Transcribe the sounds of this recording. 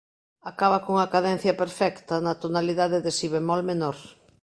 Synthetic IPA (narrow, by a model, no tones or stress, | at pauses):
akaβakoŋakaðɛn̟θjɐpeɾfɛkt̪ɐnat̪onaliðaðeðesiβemɔlmenɔɾ